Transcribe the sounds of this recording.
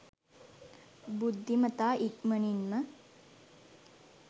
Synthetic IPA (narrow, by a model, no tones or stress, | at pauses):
bud̪ʱːimət̪aːʔit̪məninmə